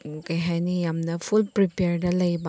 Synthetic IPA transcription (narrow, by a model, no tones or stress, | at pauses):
okeɦajnijɐmnɐpʰulpɾipeɾɖɐlɐjbɐ